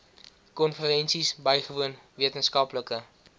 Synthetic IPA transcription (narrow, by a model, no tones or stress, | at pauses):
kɔnfəɾɛnsisbəjχəvuən | viətənskɐpləkə